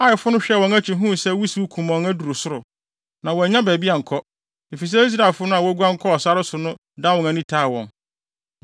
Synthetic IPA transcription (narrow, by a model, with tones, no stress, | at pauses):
a˦jɪ˨fʊ˦nʊ̃˦ɕᶣɛ˦wɔ̃˨ŋæ˦t͡ɕʰɪ˨ɦũ˦˨sɛ˦wi˦si˦u˦kʰũ˨mã˨ŋæ˦du˨ɾo˨sʊ˦ɾʊ˨ | nã˨wɔ˨ɲã˦bɛː˨bi˦a˨ŋ̩˨kʰɔ˦ | e˨fi˨s̬ɛ˦i˦s̬ɾa˨lfʊ˦nʊ̃˦a˨wɔ˦ɡu˦ã˦ŋ̩˦kʰɔ˦ɔ˨sa˦ɾɪ˦sʊ˨nʊ̃˦ | dã˦wɔ̃˨ŋæ˨nĩ˦tʰaː˦˨wɔ̰̃˨n